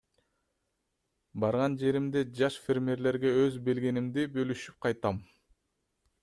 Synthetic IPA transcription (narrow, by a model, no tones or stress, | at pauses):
bɑɾʁɑnd͡ʒe̞ɾimd̪ed͡ʒɑʃfʲeɾmʲeɾle̞ɾɡe̞øzbe̞lɡe̞nimd̪ibølyʃyp̚qʰɑjt̪ɑm